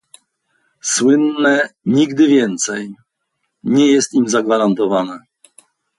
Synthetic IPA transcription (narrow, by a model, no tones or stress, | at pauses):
swɘnːɛɲiɡd̪ɘvʲjɛnt̪sɛj | ɲɛjɛst̪imzaɡvaɾant̪ɔvanɛ